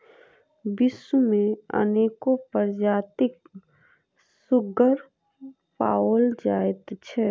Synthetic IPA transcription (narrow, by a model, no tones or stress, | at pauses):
bɪsumẽə̰neːkopəɾd͡ʒaːt̪ɪk̚ | sʊɡəɾ | pa̰ːoːld͡ʒaːt̪t͡ʃʰɛ